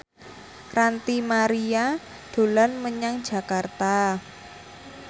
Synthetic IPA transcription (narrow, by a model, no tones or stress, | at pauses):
rant̪imaɾia | d̪̥o̤lanməɲaŋ̥ʒ̥a̤kart̪a